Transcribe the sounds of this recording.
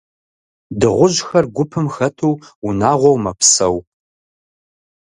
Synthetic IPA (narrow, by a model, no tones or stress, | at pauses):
dɨʁʷʊʑxɐrɡʷʊpʰɨmxɐtʰuwunaːʁʷɔwmɐpʰsɐw